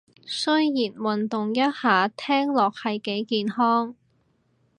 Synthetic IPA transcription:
sɵ˥ɥjiː˨˩nwɐ˨nt̪ʊ˨ŋjɐ˥t̚haː˨˥t̪ʰɛː˥ŋlɔː˨k̚hɐ˨jke˨˥jkiː˨nhɔː˥ŋ

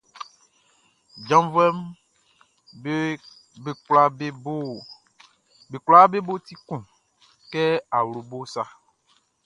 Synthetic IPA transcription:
d͡ʒã˦m˦vɛ˦m | e˦ | e˦kla˦ | be˨kla˦be˦bo˦t̪i˦kũ˨ | kɛ˦a˨wlo˨bo˦sa˦

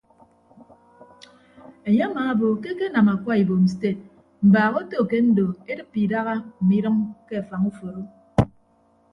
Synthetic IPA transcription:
e˨ɲe˦a˦maː˨a˦bo˨ke˦ke˦na˨ma˨kʷa˦i˨bo˨m̩˨ste˦˨t̚ | m̩˨baː˨ɣo˦to˦˨ke˦n̩˦do˨e˦dɨ˦pːi˨da˦ɣa˦m̩˨mi˦ɾɨ˦mke˦a˨fa˨ŋu˦fo˨ɾo˦

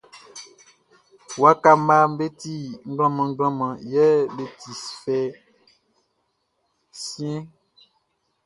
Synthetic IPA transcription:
wa˦ka˦m˦ba˦m̩˦be˦t̪i˦ŋ̩˦ɡl̃ɔ̃˦mã˨ŋ̩˦ɡ͡blɔ̃˦mã˨jɛ˦be˨t̪ʰi˨sfɛ˦ | sĩ˦ɛ̃˦

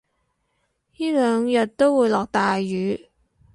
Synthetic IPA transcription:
jiː˥lœː˨˧ŋjɐ˨t̚t̪o˥wwuː˨˧˥jlɔː˨k̚t̪aː˨jːyː˨˧˥

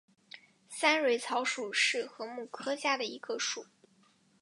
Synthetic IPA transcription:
sa˥nɻwe˧˥ɪt͡sʰɑ˧˥ʊʂu˨˩ʂɻ̩˥˩xɤ˧˥mu˥˩kʰɤ˥ɕja˥˩d̪ə˩i˧˥ɡə˧ʂu˨˩˦

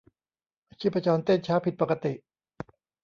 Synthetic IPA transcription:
t͡ɕʰi˦˥˩pʰːa˧t͡ɕɔː˧nt̪e˥˩nt͡ɕʰaː˦˥pʰi˨˩t̪̚pa˨˩ka˧t̪i˨˩ʔ

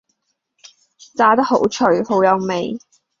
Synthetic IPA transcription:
t͡saː˨˥t̪ɐ˥ho˨˥wt͡ʃʰɵ˨˩ɥho˨˥wjɐ˨˧wme˨j

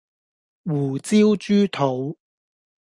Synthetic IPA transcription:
wuː˨˩t͡siː˥wt͡ʃyː˥t̪ʰo˨˧˥w

